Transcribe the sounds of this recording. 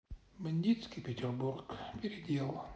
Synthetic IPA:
mɪnʲd̪ʲit̪skʲipʲɪtʲɪrburkpʲɪɾʲɪd̪ʲilˠ

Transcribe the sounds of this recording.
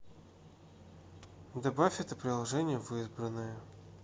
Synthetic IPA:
d̪ɐbafʲɛt̪əpɾʲɪlˠɐʐɛnʲɪjəvɨzbɾənːəjə

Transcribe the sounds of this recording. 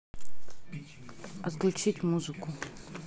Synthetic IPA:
ɐt̪klʲʊt͡ʃitʲmuzɨkʊ

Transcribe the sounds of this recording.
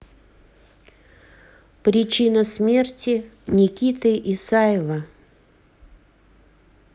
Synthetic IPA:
pɾʲɪt͡ɕinəsmʲe̞rtʲɪnʲɪkʲit̪ɨʔɪsajɪvə

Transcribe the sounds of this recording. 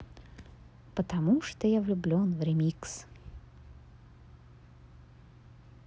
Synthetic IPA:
pət̪ɐmuʂt̪ojavlʲʊblʲonvɾʲɪmʲiks

